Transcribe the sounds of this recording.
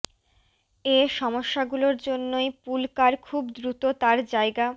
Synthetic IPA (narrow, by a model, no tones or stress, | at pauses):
eʃɔmoʃːaɡuloɾd͡ʑonːojpulkaɾkʰubd̪ɾut̪ot̪aɾd͡ʑaeɡa